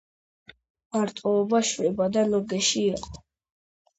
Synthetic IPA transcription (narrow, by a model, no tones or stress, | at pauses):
maɾt̪ʼɔːbaʃwɛbad̪alɔɡɛʃiːqʼɔ